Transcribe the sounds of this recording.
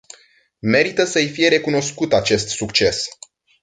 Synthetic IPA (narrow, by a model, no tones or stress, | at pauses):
me̞ɾit̪əsəjfije̞ɾe̞kuno̞skut̪at͡ʃe̞st̪sukt͡ʃe̞s